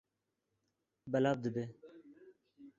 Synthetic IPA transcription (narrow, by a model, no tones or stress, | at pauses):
bəlab̚d̪əbe